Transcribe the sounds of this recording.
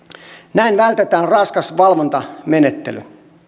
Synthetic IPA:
næinʋælt̪et̪æːnrɑnskɑsʋɑlʋont̪ɑmenet̪ːely

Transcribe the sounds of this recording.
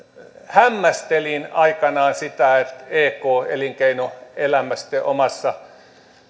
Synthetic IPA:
hæmːæst̪elinɑikɑnɑːnsit̪æet̪eːkoːḛliŋkeinoelæmæst̪eʔomɑsːɑ

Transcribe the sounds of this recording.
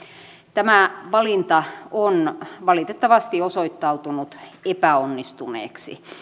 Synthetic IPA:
t̪æmæʋɑlint̪ɑonʋɑlit̪et̪ːɑʋɑst̪iosoit̪ːɑut̪unut̪epæonːist̪unḛːksḭ

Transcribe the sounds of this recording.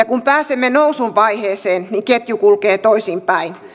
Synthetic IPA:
ɑkumpæːsemːenousuʋʋɑiheːseːnniŋket̪jukulkeːt̪oisimpæin

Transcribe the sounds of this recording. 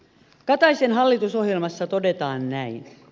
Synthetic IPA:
kɑt̪ɑjsenɦɑlːit̪uso̞ɦjelmɑsːɑt̪ode̞t̪ɑːnnæin

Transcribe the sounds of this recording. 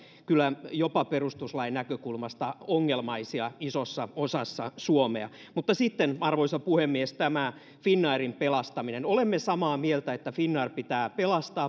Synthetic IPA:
kylːˑæjopɑperust̪uslɑinækøkulmɑst̪ɑoŋːelmɑisiɑisosːɑosɑsːɑsuomeɑ̰ | mut̪ːɑsit̪ːenɑrʋoisɑpuhemːiest̪æmæ | finːɑirimpelɑst̪ɑminenolemːesɑmɑːmielt̪æet̪ːæfinːɑːrpit̪æːpelɑst̪ɑː

